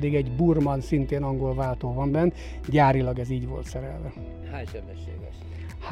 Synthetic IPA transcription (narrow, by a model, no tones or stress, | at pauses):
d̪iɡɛɟburmɒnsint̪eːnɒŋɡolvaːlt̪oːvɒmbɛnː | ɟaːɾilɒɡɛziːɟvo̰lt̪sɛɾɛlvɛ | haːʃɛbɛʃḛːvɛ | h